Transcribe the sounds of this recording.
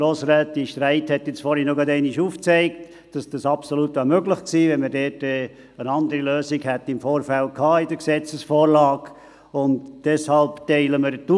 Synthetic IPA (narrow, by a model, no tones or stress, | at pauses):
ɾoːsɾɛːt̪iʃtɾæɪthɛt̪jɪt͡sfɔɾhinoɡɑdɛɪniʃuːft͡sɛɪkt | d̥ɑsd̥ɑsɑpsolutʋɑːmøɡlɪχksiːʋɛnməɾdɛːtɛ | ənɑnd̪əɾiløːsiɡhɛt̪ːɪmfoːɾfælkʰɑːɪdəksɛt͡səsfoːɾlɑːk | ʊntd̥ɛshɑlptɛɪləməɾtu